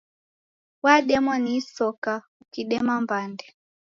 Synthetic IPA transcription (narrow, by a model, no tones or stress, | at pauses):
waɗɛmɔnisɔka | ukiɗɛmambandɛ